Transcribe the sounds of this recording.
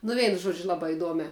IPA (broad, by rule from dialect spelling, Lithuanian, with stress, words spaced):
nʊ ˈʋʲɛɪnʊ ˈʒuɔd͡ʒʲʊ ˈlˠɑːbɑː ɪˈduɔmʲæː